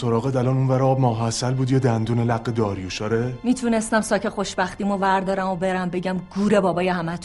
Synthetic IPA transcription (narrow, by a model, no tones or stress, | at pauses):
soɾɒːɣed̪ælɒnunvæɾeɒːb̚mɒːɦæsælbuːd̪jɒːd̪ænd̪uːnelæɣːed̪ɒːɾjuʃɒːɾemiːt̪ʰunest̪æmsɒːcʰexo̞ʃbæxt̪iːmovæɾd̪ɒːɾæmobe̞ɾæmbe̞ɟæmɡuːɾe̞bɒːbɒːjehæmæt̪ʰ